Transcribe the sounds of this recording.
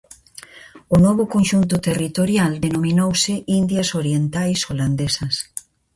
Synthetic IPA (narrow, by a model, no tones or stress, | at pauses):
ʊnɔβʊkonʃunt̪ʊt̪erit̪oɾjald̪enomĩnowsɪʔind̪jɐsoɾjent̪ajsoland̪esɐs